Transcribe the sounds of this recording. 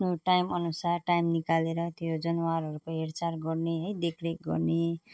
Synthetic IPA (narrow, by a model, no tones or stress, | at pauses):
nuʈajmʌnusarʈajmnikaleɾʌt̪jod͡zʌnwaɾɦʌɾupʌ̃ɦeɾt͡sarɡʌrneɦʌjd̪ekʰɾeɡʌ̰rne